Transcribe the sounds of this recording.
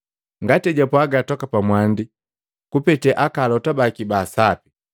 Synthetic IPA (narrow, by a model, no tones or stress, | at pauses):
ŋɡatɛɟapwaɡatɔkapamwandi | kupɛtɛʔakalɔtabakibaːsapi̥